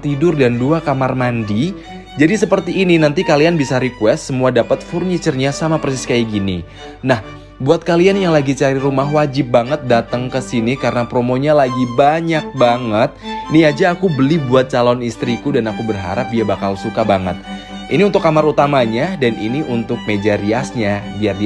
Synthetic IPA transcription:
t̪idʊrdanduakamarmandi | d͡ʒadisəpərt̪iːninant̪ikalianbisaɾikuwɛst̪səmuadapat̪̚furɲit͡ʃərɲasamapərsɪskaiɡinḭ | nah | buat̪̚kalianjaŋlaɡit͡ʃaɾiɾumaɦwad͡ʒɪp̚baŋət̪̚dat̪əŋkəsinikaɾənapɾomoɲalaɡibaɲak̚baŋət̪̚niad͡ʒaːkubəlɪhbuat̪̚t͡ʃalɔnist̪ɾikudanakubərɦa̰ɾap̚diabakalsukabaŋə̰t̪̚ | ʔiniunt̪ʊkamaɾut̪amaɲadanḭniʔunt̪ʊk̚med͡ʒaɾiasɲadiardi

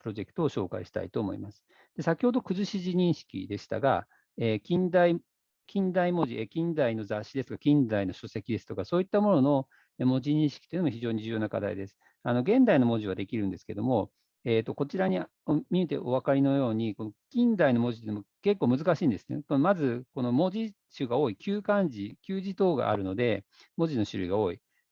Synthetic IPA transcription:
pɯɾo̞ʑe̞kɯ̟̥t̪o̞ːɕo̞ːka̰iɕi̥t̪a̰it̪o̞ːmo̞̰ḭmasɨ̥ | d̪̥e̞sakʲi̥ho̞d̪o̞kɯ̟zɨɕiʑiɲ̟ĩɰ̃ɕi̥kʲḭd̪e̞ɕi̥t̪a̰ɡa̰ | eːkʲĩnd̪ai | kʲĩnd̪aimo̞ʑiʔekʲĩnd̪aino̞zaɕːid̪esɨ̥t̪o̥kḁkʲĩnd̪aino̞ɕose̞kʲid̪e̞sɨ̥t̪o̞kaso̞ːit̪ːamo̞no̞no̞ | emo̞ʑiɲ̟ĩɰ̃ɕi̥kʲi̥t̪oiɯnomoçʲiʑo̞ːɲ̟id͡ʑɨːjo̞naka̰d̪a̰ḭd̪e̞sɨ̥ | ano̞ɡẽ̞nd̪aino̞mo̞ʑiβ̞ad̪e̞kʲiɾɯ̟̃nd̪e̞sɨ̥ke̞d̪o̞mo̞ | eːt̪ːo̞ko̞t͡ɕiɾaɲ̟i | omʲimʲit̪e̞̰ʔo̞β̞akaɾʲino̞jo̞ːɲ̟iko̞no̞kʲĩnd̪aino̞mo̞ʑit̪eiːnomoke̞kːo̞ːmɯ̟zɨkaɕiːnd̪esɨ̥nḛkonomazɨko̞no̞mo̞ʑi | ɕɨɡao̞ːikʲɨːkãɲd͡ʑikʲɨːʑit̪o̞ːɡa̰ʔa̰ɾɯ̟no̞d̪e̞ | mo̞ʑino̞ɕɨɾɯ̟̰iɡao̞ːi

